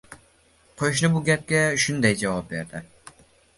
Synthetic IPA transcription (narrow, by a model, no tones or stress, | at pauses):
qʰoʃ̬nɪbuɡʲɛp̚kʲɛʃund̪ɛjd͡ʒɑwɑp̚beɾd̪ɪ